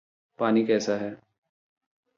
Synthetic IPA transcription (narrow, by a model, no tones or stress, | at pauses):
paːnikɛːsaɦɛː